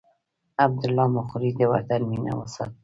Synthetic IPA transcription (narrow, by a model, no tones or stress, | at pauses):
ab̚d̪ʊlːɑmʊxɾid̪əwa̰t̪anmina̰wasa̰t̪̚